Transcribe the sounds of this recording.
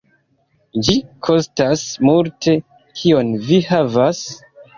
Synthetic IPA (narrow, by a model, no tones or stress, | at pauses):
d͡ʒikʰo̞stasmultʰe̞ | kʰio̞nvihavas